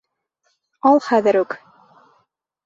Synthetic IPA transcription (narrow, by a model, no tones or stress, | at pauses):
ɑlˠχæðɘ̆ɾʉk